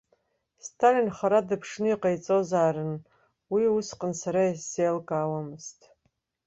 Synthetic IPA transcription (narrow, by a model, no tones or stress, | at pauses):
stʰalinχaɾadɨpʰʂnɨiqʼajt͡sʼozaːɾɨn | wiusqʼənsaɾaisz̥ejlkʼaːwamɨztʼ